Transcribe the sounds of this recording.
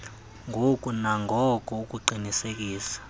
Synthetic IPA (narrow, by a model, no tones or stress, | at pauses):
ŋʱokʼunaŋɡʱɔkʼuukʼuǃinisek̬ʼiːsḁ